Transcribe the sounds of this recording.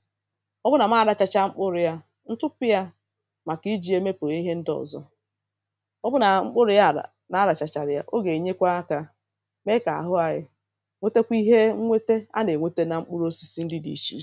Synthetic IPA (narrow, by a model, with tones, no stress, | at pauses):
ɔ˦bʊ˦na˨ma˦˨ɾa˨t͡ʃa˨t͡ʃa˦ŋ͡m̩˦k͡pʊ˦ɾɪ˨ja˦ | n̩˦tʊ˦pɪ˦ja˦ | ma˨ki˦d͡ʒi˦e˦me˦pʊ˨ɾa˦i˦ɦe˦n̩˦dɔ̰˨zɔ̰˦ | ɔ˦bʊ˦na˨ŋ͡m̩˦k͡pʊ˦ɾɪ˦ja˦˨ | na˨˦ɾa˨t͡ʃa˨t͡ʃa˨ɾɪ˨ja˦ʔo˦ɡe˨i˨ɲe˦kʷa˦ka˦ | me˦ka˨a̰˨ɦʊ˦a˨ɣɪ̰˦ | ŋʷe˦te˦kʷi˦ɦe˦ŋ̩˦ŋʷe˦te˦a̰˦ne˨ŋʷe˦te˦na˨ŋ͡m̩˦k͡pʊ˦ɾo˦si˨si˦n̩˦dɪ˦dḭ˨t͡ʃḭ˦